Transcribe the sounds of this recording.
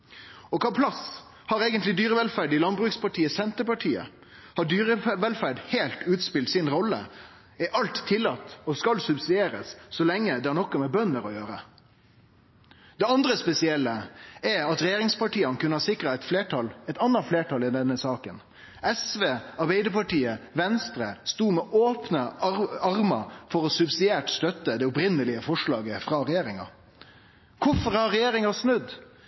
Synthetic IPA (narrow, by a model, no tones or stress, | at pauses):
ɔkʰɑːpʰlɑs | hɑɾeːɡənt̪lɪd̪yːɾəʋɛlfæɖɪlɑnbɾʉːkspɑʈʰiːəsɛnt̪əpɑʈʰiːə̰ | hɑɖyːɾəʋɛlfæɖheːlt̪ʉːt̪spɪlt̪sɪnɾɔlːə̰ | ɛʔɑlt̪ʰːɪlːɑt̪ːɔskɑlsʉbsɪd̪eːɾə̰ssɔlɛŋːəd̪ɛhɑɳɔkːɑmɛbœnːəɾɔjøːɾə | d̪ɛɑnd̪ɾəspɛsɪɛlːəɛɑt̪ɾɛjeːɾɪŋspɑʈiːənəkʉnəhɑsɪkɾɑɛɪt̪fleːʈʰɑlɛɪt̪ɑnːɑfleːʈʰɑlɪd̪ɛnːəsɑːkən | ʔɛsʋeːɑɾbɛɪd̪əpɑʈiːəʋɛnst̪ɾəst̪uːmɛʔoːpnəɑɾmɑfɔɾɔsʉbsɪd̪eːʈst̪œt̪ːəd̪ɛʊpɾɪnːəlɪəfɔʂɭɑːɡəfɾɑɾɛjeːɾɪŋɑ̰ | kʰʊfɔɾhɑɾɛjeːɾɪŋɑsnʉd̪